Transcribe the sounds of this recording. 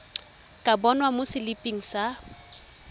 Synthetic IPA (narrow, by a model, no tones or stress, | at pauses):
kʼabɔnwamosɪlipʼiŋ̩sa